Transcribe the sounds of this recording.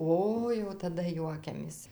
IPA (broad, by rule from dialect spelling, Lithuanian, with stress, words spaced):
ˈoːɪ jɛʊ tɐˈdɐ ˈjuɔkʲɛmʲeːs